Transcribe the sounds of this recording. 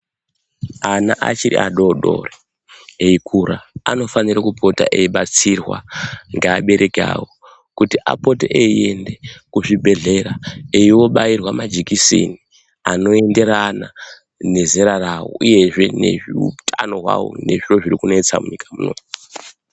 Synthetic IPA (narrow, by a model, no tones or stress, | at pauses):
anaʔa̰t͡ʃiɾḭʔaɗo̞ɗo̞̰re | eikʰuɾaano̞faniɾakupʰo̞ta̰ʔeiɓat͡sirwa̰ŋɡeaɓe̞ɾʔeka̰wo | kutiʔa̰poteʔeie̞nde̞kuʐibʱe̞ɮe̞ɾaeiwo̞ɓajirwamad͡ʒikisḭni | ano̞e̞nde̞ɾana | ne̞zeɾarawo̰uje̞ʐe̞ne̞̰ʐiutʰano̞ɦwa̰wo̰ne̞ʐiro̞ʐirikunoet͡samuɲikʰamuno̰m